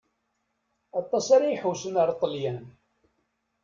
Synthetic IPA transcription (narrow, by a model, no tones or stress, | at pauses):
ɑt̪ˤːɑsaɾijħusənəɾˤt̪ˤːəljæn